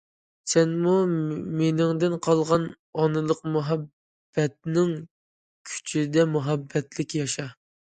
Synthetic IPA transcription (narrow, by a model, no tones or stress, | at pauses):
sɛnmumenɪŋd̪ɪnqʰɑlˠʁɑn | ɑnɨlˠəqmuɦɑb | b̥ːɛt̪̚nɪŋ | kʲʰy̥t͡ʃʰid̪ɛmuɦɑbːɛt̪lɪkʲjɑʃɑ